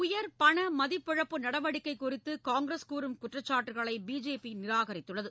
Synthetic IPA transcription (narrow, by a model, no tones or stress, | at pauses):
ʊjɐɾpɐɳɐmɐðɪpːɪɻɐpːɯnɐɽɐʋɐɽɪkːɐɪkːʊɾɪt̪ːɯkaːŋɡɾeskuːɾɯmkʊʈrɐt͡ʃːaːʈːɯɣɐɭɐɪbiːd͡ʒeːpinɪɾaːɣɐɾɪt̪ːɯɭːɐðɯ